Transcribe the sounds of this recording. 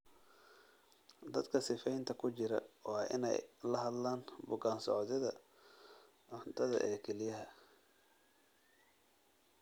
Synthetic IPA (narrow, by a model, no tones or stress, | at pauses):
d̪ɐd̪kʰɐsɪfɛjnt̪ʰɐkʰʊt͡ʃɪɾɐ̰ɔːʔɪ̰nɛ̰jlɐɦɐd̪laːnbʊɡaːnsɔ̰ʕðɪðɐ̰ | ʕʊnt̪ʰɐðɐ̰ʔɛːkʰɛlɪjɐɦɐ